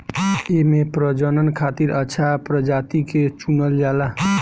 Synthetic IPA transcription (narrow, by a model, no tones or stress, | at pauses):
emepɾəd͡ʒənənkʰat̪iɾəːt͡ʃʰapɾəd͡ʒat̪iket͡ʃunəld͡ʒala